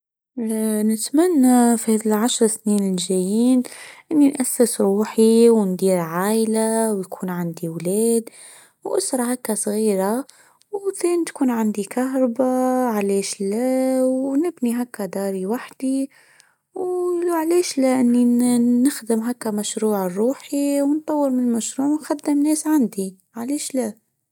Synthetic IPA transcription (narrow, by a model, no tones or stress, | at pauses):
nɪt̪manːafihɛːðɪlʕaʃɾˤsniːnlʒæjiːnʔɪnːinʔasːɪsɾuːħiwnd̪iːɾʕaːʔlawjkʰuːnʕand̪iwlɛːd̪ | wʔʊsɾˤɑhakːasˤɣiːɾa | wθeːnit̪kuːnʕand̪ikaɦɾˤbaʕleːʃlæwnɪbniɦakːad̪ɑːɾiwaħd̪̥i | wlʕlɛːʃlæʔɪnːinɪxd̪ɪmɦakːamæʃɾuːʕrˤːuːħiwnt̪ˤːɑwːəɾmɪnlmæʃɾuːʕwnxad̪ːɪmnɛːsʕand̪i | ʕaleːʃlæ